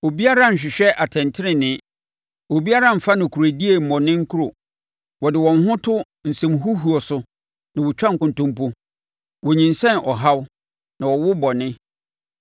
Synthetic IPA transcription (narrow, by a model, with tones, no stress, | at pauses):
o˨bi˦a˦ɾã˦˨ɲ̩˨ɕᶣɪ˨ɕᶣɛ˦ʔa˨tʰɛ̃˨ntʰɪ˦ɾɪ̃˨nɪ̃˦ | o˨bi˦a˦ɾã˦˨m̩˨fa˦nʊ̃˨kʰu˨ɾa˨di˦e˨m̩˨mɔ̃˨nɪ̃˦ŋ̩˦kʰu˦ɾo˨ | wɔ˨dɪ˨wɔ̃˨n˦ɦʊ̃˦tʰʊ˦ | n̩˨sɛ̃˨mɦu˦ɦu˨ɔ˨sʊ˦ | nã˨wɔ˨t͡ɕᶣã˦ŋ̩˨kʊ̃˨n˨tʊ̃˦mpo˦ | wɔ˨ɲĩ˨n̩˨sɛ̃˦nʔɔ˨ɦa˦w | nã˨wɔ˨wʊ˦bɔ˨nɪ̃˦